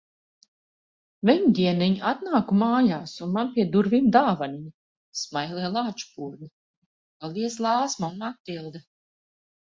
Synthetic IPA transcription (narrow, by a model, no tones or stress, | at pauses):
vɛɲd̪ʲiɛnɛɲat̪naːkumaːjaːsunmanpʲiɛd̪uɾvimd̪aːvaniɲ | smajlˠiɛlˠaːt͡ʃu̥puːɔɾni | alˠiɛslˠɑːsmanat̪̚ːilˠd̪ɛ